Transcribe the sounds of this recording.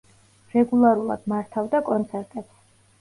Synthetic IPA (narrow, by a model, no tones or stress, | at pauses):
ɾɛɡulˠaɾulˠa̰d̪̥maɾt̪ʰavd̪akʼɔnt̪sʰɛɾt̪ʼɛps